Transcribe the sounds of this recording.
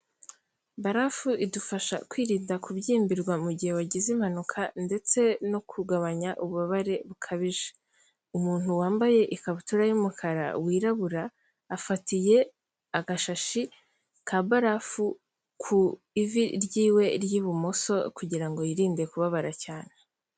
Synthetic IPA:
baɾafuidufaʃa̰kwiːɾiːndakubɟiːmbiɾɡwamuɟihe̞waɟizim̥hanukʰande̞t͡se̞no̞kʰuɡaβaɲaʔuβuβaβaɾe̞βukʰaβiʒe̥ | umuːn̥huwaːmbaje̞ʔikaβutuɾajumukʰaɾa̰wiːɾaβuɾaː | fatije̞ | aɡaʃaʃi | kʰabaɾafu | kʰu | iviɾjiːwe̞ɾjiβumoso̞kuɟiɾaŋɡo̞jiɾiːndekuβaβaɾacaːne

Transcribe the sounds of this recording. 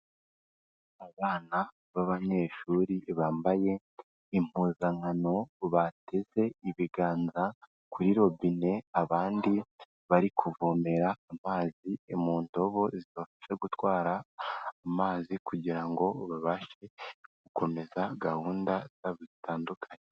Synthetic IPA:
aβaːna | βaβaɲe̞ːʃuːɾiβaːmbaje̞ | im̥uːzaŋano̞βate̞ze̞iβiɡaːnza | kuɾiɾo̞bine̞aβaːndi | βaɾikʰuvome̞ɾaːmaːzimuːnto̞βo̞zizo̞ːfi̥se̞ɡutwaːɾaː | maːzikuɟiɾaŋɡo̞βaβaʃe̞ɡ̥uko̞me̞zaɡahuːndaz̥aβiitaːndukʰaɲe

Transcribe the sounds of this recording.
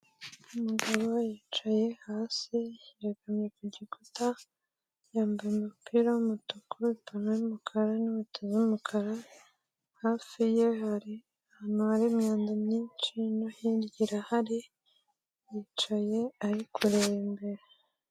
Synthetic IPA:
umuɡaβo̞jiːt͡ʃaje̞haːsiaɡamɲekuɟikuta | jaːmbajemupʰiɾawumutukuɾuipʰameumukʰaɾanuβutʰeziumukʰaɾa | haːfijeɦaɾi | hanuaɾimɲaːndamɲiːnt͡ʃinohiɾɟiɾahaɾi | jit͡ʃaje̞aɾikʰuɾeβembe̞ɾe

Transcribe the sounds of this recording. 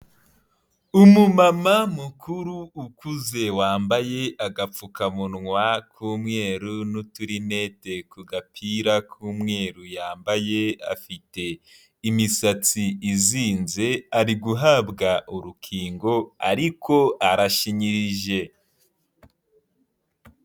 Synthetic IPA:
umumamamukʰuɾuːkuze̞waːmbaje̞aɡap͡fukamunŋwakʰuːmŋe̞ːɾunutuɾine̞ːte̞kuɡapʰiːɾakʰuːmŋe̞ːɾujaːmbaje̞a̰fite̞ | imisat͡siiziːnze̞aɾiɡuɦabɡaʔuɾukʰiːŋɡo̞a̰ɾikʰo̞aɾaʃiɲiɾiʒe̞

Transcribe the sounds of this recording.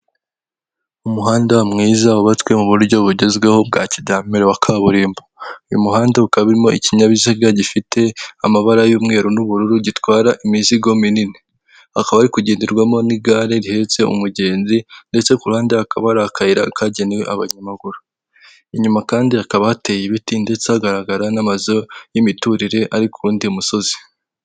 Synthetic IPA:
umuɦaːndamŋiːzauβatwe̞muβuɾuɾɟo̞βuɟe̞zɡwe̞ho̞b̚ɡaːcidaːmiɾoβakʰaβuɾiːmboujṵmuhaːndaukaββiɾimo̞ḭciɲaβizaɾɡaɟifitʰe̞amaβaɾajuːmŋe̞ːɾonuβuɾuɾuɟitwaːɾaʔiminsiɡo̞minine | hakaβaɾikuɟeːndiɾɡwamo̞niɡaːɾe̞ɾihe̞t͡se̞ṵmuɟe̞ːnzinde̞t͡se̞kulhaːndeakaβaɾakʰaiɾa̰kaɟe̞newḛʔaβa̰ɲamaɡuɾu | iɲumakaːndiakaβahate̞ːjeβitinde̞t͡sehaɡaɾaɡaɾanamazo̞jimituɾiɾe̞ʔaɾikuɾuːndiumuso̞zi̥

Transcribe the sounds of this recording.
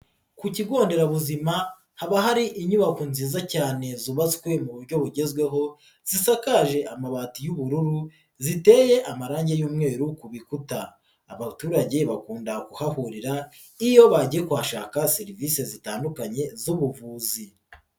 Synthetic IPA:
kuciɡo̞ːnde̞ɾaβuzima | haβaɦaɾiʔiɲuβakunziːzacaːne̞zuβaskwe̞muβuɾɟo̞βuɟe̞zɡwe̞ɦo̞ | z̥isakaːʒe̞ʔamaβatijuβuɾuɾu | zite̞ːje̞ʔamaɾaːɲɟe̞juːmŋe̞ːɾukuβikutaː | βatuːɾaɟe̞βakuːndakuhahuɾiɾa | ijo̞βaɟijekwaʃaːkaseɾiviːse̞zitaːndukaɲe̞zuβuvuːzi

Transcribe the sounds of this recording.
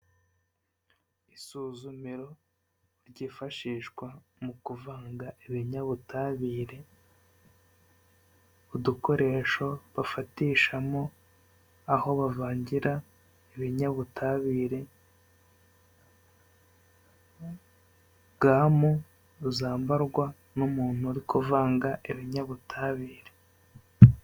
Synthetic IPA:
isuːzumiɾo̞ | ɾɟiːfaʃiːʃkwamukuvaːŋɡaʔiβiɲaβutʰaβiːɾe̞ | uduko̞ɾe̞ʃo̞βafatiːʃamo̞ | aho̞βavaːɲɟiɾa | eβiɲaβutʰaβiːɾe̞ | ɡaːmo | zaːmbaɾɡwa | numuːn̥huaɾikʰuvaːŋɡaʔeβiɲaβutʰaβiːɾe

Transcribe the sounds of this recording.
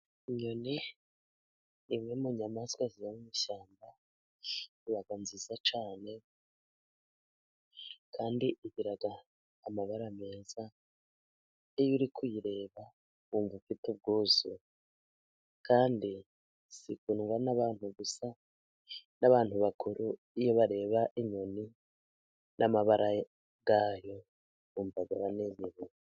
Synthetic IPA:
ɲoni | mŋemuɲamaskwazijamumiʃaːmba | iβaɡanzizat͡ʃaːne̞ | kʰaːndiʔiɟiɾaɡaː | maβaɾame̞ːza | ejuɾikujiɾe̞ːβa | uːɱvufitub̚ɡuːzu | kʰaːndi | sikunŋɡwanaβaːn̥huɡusa | naβaːn̥huβakʰuɾʔu | ijoβaɾe̞ːβaʔiɲoni | nʔamaβaɾʔa | ɡaːjo̞ | βuːmvaɡaβanezeɾe

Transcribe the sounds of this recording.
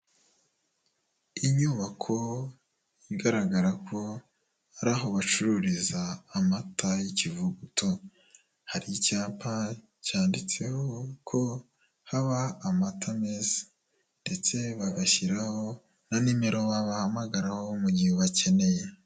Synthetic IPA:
iɲuːβakʰo̞ | iɡaɾaɡaɾakʰo̞ | aɾaːɦo̞βat͡ʃuɾuɾizaːmatʰajicivuɡutʰo | haɾijicaːmpʰa | caːndit͡se̞hokʰo̞ | haβaːmatʰameːzḁ | nde̞t͡se̞βaɡaçiɾaho̞ | nanime̞ɾo̞βaβahamaɡaɾaho̞muɟiheβace̞ne̞je̞

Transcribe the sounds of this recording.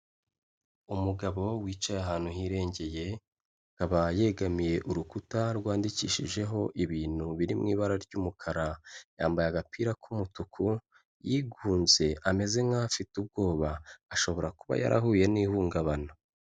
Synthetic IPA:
umuɡaβo̞wiːt͡ʃajaɦaːn̥huɦiːɾe̞ːɲɟe̞je̞ | kaβaje̞ɡamije̞ʔuɾukutaɾɡwaːndicḭːʃiʒe̞ɦo̞ʔiβiːn̥uβiɾimŋḭːβaɾaɾɟuːmukʰaɾajaːmbajaɡapʰiɾakʰumutukʰu | jiːɡuːnze̞ame̞ze̞ŋafitub̚ɡo̞ːβaːʃo̞βo̞ɾakuβa̰ja̰ɾa̰ɦuːje̞niːhuːŋɡaβana

